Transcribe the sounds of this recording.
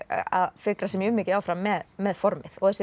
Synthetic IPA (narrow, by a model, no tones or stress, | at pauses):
a̰ðfɪkɾasɛmjʏmɪːcɪawfɾamːɛðmɛðfɔɾmɪðɔɣθɛsɪ